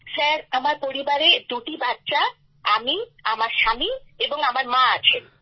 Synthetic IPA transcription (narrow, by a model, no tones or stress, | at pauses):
sɛɾamaɾpoɾibaɾed̪uʈibatːʃa | amiamaɾʃamieboŋamaɾmãat͡ɕʰen